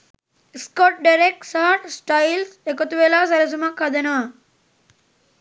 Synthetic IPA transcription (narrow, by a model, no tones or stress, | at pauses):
skɔʈ̚ɖɐɾek̚saːʈsʈailsekot̪uʋeːlaːsɐɾɐsumakʰɐd̪ɐnaː